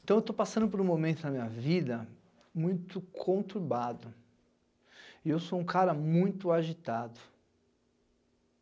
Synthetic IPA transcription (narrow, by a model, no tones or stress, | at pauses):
ẽt̪ɐ̃w̃ewt̪opasɐ̃nd̪ʊpoɾũmomẽnt̪ʊnɐmĩɲɐvid̪ɐ | mũj̃t̪ʊkʰõt̪uɾbad̪ʊ | iewsoũkaɾɐmũj̃t̪ʊaʒit̪ad̪ʊ